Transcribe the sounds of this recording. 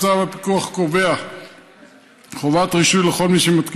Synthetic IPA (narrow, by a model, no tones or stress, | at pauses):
t͡savapi̥kuaχkovea | χovatʁiʃujleχo̞lmiʃemat̪k